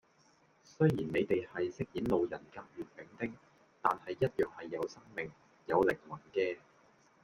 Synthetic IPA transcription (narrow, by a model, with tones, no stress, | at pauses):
sɵ˥ɥjiː˨˩ne˨˧t̪e˨jhɐ˨jsɪ˥k̚jiː˨˥nlo˨wjɐ˨˩nkaː˧p̚jyː˨t̚pɪ˨˥ŋt̪ɪ˥ŋ̚ | t̪aː˨nhɐ˨jːɐ˥t̚jœː˨ŋhɐ˨jːɐ˨˧wsɐ˥ŋmɪ˨ŋ | jɐ˨˧wlɪ˨˩ŋwɐ˨˩nkɛː˧